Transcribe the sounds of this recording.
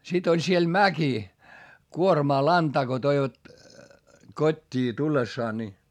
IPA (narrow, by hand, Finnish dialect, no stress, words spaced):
sit olʲ siel mæki kuormɑː lɑntɑː ko toiʋɑt kotʲːiː tulːesːɑː ni